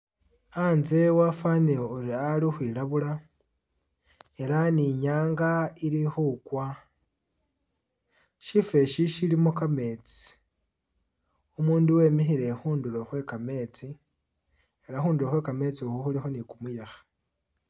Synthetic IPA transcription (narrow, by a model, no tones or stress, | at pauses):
anze̞wafaneuɾialixwilaβula | e̞ɾaniɲaːŋɡaiɾixukwa | ʃife̞ʃiʃilimokame̞ːt͡si̥ | umuːnduwe̞ːmixiɾe̞xuːndulo̞xwe̞kame̞ːt͡si | eɾaxuːnduɾoxwe̞kame̞t͡siuhuxulixo̞nikumujaxḁ